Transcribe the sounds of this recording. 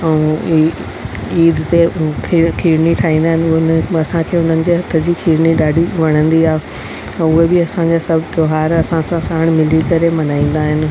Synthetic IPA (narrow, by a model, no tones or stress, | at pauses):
ɛũ | iːd̪t̪ekʰikʰiːɾniʈʰaːɦĩːn̆d̪aːɦɪnɪʊnɐsãkʰeːʊ̃nd̪ənɪ̆d͡ʑeɦɐt̪ʰəd͡ʑikʰiːɾniɗaːɖʱiʋɐɽ̃ə̃nd̪iaːɦẽ | ʊɦebɪɐsãd͡ʑasɐbʱt̪joːɦaːɾɐsãsãsaːɽ̃mɪlikɐɾemɐnaːĩːn̆d̪aːɦɪnɪ̆